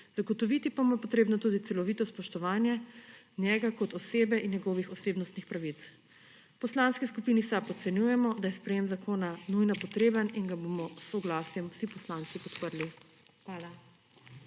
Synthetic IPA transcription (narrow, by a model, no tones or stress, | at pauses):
z̥aɡɔt̪ɔʋit̪ipamapɔt̪ɾeːbnɔt̪uːd̪it̪sɛlɔʋit̪ɔspɔʃt̪ɔʋaːnjɛ | njɛɡakɔt̪ɔseːbɛʔinjɛɡɔːʋixɔseːbnɔst̪nixpɾaʋit̪s | pɔslanskiskupinisapɔt̪sɛnjujɛmɔd̪ajɛspɾɛjemzakoːnanujnapɔt̪ɾeːbəniŋɡabomɔsːɔɡlaːsjɛmwsipɔslaːnsipɔt̪pəɾlixʋaːla